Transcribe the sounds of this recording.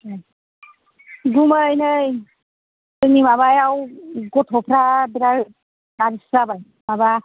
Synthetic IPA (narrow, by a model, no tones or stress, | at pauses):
ɡuməjnɯj | tɯnimaβajawɡɔtʰɔpʰɾabiɾaɾ | naɾisabaj | maba